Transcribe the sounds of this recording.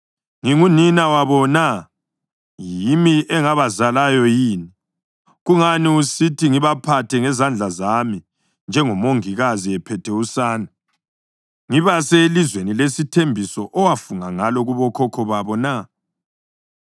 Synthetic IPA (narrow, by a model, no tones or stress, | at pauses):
ŋiŋuninawaβɔna | jimiʔɛŋaβazalajɔjiːni | ɣuŋaniusitʰiŋiβapʰatʰɛŋɛzand͡ɮʱazami | nd͡ʒʱɛŋɔmoŋiɣaziɛpʰɛtʰɛusaːna | ŋiβaselizwenilesitʰembʱisɔʔɔwafuŋaŋalɔɣuβɔkʰɔkʰɔβaβɔna